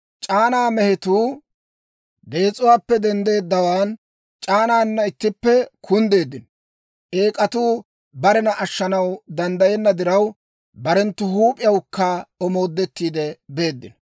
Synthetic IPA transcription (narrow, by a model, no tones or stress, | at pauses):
t͡ʃʼaːnaːmɛhɪt̪uː | d̪e̞ːt͡sʼʊwaːpːɛd̪ɛnd̪e̞ːd̪ːɐwaːn | t͡ʃʼaːnaːnːɐɪt̪ːɪpːɛkʰʊnd̪e̞ːd̪ːɪnɔ | ʔe̞ːkʼɐt̪uː | bɐɾɛnɐʔɐʃːɐnɐwd̪ɐnd̪ɐjɛnːɐd̪ɪɾɐw | bɐɾɛnt̪ːʊhuːpʼɪjɐwkːaɔmo̞ːd̪ːɛt̪ːiːd̪ɛbe̞ːd̪ːɪnɔ